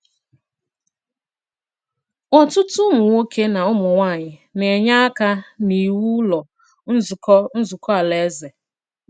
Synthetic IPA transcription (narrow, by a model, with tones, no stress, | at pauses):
ɔ˨tʊ˦tʊ˦mʊ˨ŋo˦kʰe˦na˨ʊ˦mʊ˨ŋʷa˦˨ɲɪ˨ne˨ɲa˦a˦ka˦ni˨wu˦lɔ˨ | n̩˦zʊ˨kɔ˦n̩˦zʊ˨kɔ˦a˨le˨˦ze˨